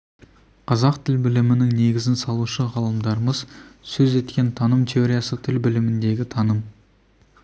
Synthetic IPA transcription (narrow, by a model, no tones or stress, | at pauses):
qʰɑzɑqt̪ʰɪlbɪlɪmɪnɪŋne̞ɡʲɪzɪnsɑlˠuʃəʁɑlˠəmd̪ɑɾəməzsɵze̞t̪kʲe̞nt̪ʰɑnəmt̪ʲʰe̞oɾʲijɑsət̪ʰɪlbɪlɪmɪnd̪e̞ɡʲɪt̪ʰɑnəm